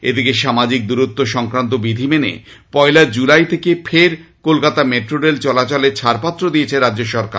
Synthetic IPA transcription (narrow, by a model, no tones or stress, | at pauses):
ed̪ikeʃamad͡ʑik̚d̪uɾut̪ːoʃɔŋkɾant̪̬obid̪ʱimenḛpɔjlad͡ʑulajt̪ʰekefʰeɾkolkat̪ameʈɾoɾelt͡ɕɔlat͡ɕolet͡ɕʰaɾpat̪ːɾod̪iet͡ɕʰeɾadːd͡ʑoʃɔɾka̰ɾ